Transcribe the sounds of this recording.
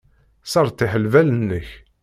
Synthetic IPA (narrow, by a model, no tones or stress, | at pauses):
sɑɾˤt̪ːiħəlvælənːəç